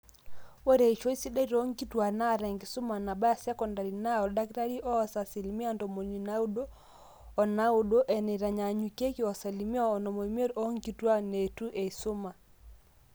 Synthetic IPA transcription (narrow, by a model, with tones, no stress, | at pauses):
wo˦ɾe˨i˨ʃo˦i˦si˦de˦i˦ɾɔ˦ŋɡi˦twa˨na˦˨ɾɛ˨ŋɡi˨su˦ma˨na˨ba˦a˨sja˦kɔ˨nda˨ɾi˨na˦ɔ˨da˦ki˦ɾa˦ɾi˦ʔɔ˦sa˨si˨lmi˦a˦ndɔ˨mo˨ni˨na˦u˦do˦ | ɔ˨na˦o˨do˦ʔɛ˨ne˨ɾa˨ɲa˨ɲu˨ke˦ki˦ɔ˨sa˨li˨mi˦aː˦˨nɔ˨mo˨i˨m˦e˦ɾɔ˦ŋɡi˦twa˦ne˨tu˦ʔe˨i˨so˦ma˨